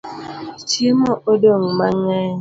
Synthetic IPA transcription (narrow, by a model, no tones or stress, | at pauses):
t͡ʃimʊʔodoŋ̩maŋa